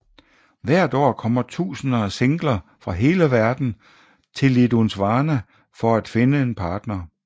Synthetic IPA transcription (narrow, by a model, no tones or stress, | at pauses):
ʋæɐ̰d̥ɒ̰ːkʰɒ̽m̰ɐt͡sʰṵːsənɐːseŋɡ̥lɐfʁɑ̈ɦe̝ːləʋæɐd̥n̩ | t͡sʰe̝lid̥unsʋɑ̈ːnæ | fɒ̽æd̥fe̝nəe̝npʰɑ̈ːd̥nɐ